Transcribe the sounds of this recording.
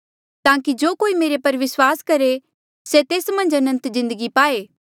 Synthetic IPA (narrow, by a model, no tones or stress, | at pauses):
t̪aːkid͡ʒoːkoːimeːɾepɐɾʋɪswaːskɐɾe | set̪eːsmɐ̃nd͡ʒɐnə̃nt̪zɪ̃nd̪əɡipaːeː